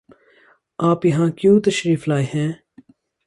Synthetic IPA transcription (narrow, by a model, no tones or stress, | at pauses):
aːpjɐɦãːkjũːt̪ɐʃɾiːflaːeɦɛ̃ː